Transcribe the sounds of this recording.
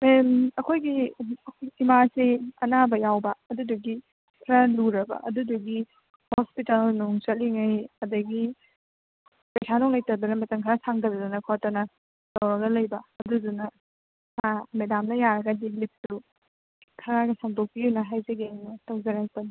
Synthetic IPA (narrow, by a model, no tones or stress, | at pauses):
memɐkʰojɡiɐkʰjimaseɐnabɐjawbɐɐduduɡi | kʰɾɐluɾɐbɐ̰ʔɐ̰duduɡi | hospitalnuŋt͡ʃɐt̚liŋajɐdɐɡi | pejsʰanɔŋlɐjtɐdunɐmɐtɐŋkʰɐɾasaŋdɐɾɐdunɐkʰɔtɐnɐ | tɐwɾɐɡɐlɐjbɐɐdudunɐ | mamedamnɐjaɾɐɡɐdilip̚tu | kʰɐɾaɡɐsaŋdok̚piunɐɦajzɐɡeŋnɐtɐwzɐɾajpɐn